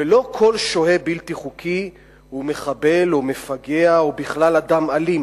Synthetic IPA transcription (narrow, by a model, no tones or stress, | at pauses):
velo̞kʰo̞lʃohe̞bilt̪iχukʰi | hume̞χabe̞lome̞faɡe̞aobiχlalad̪amalim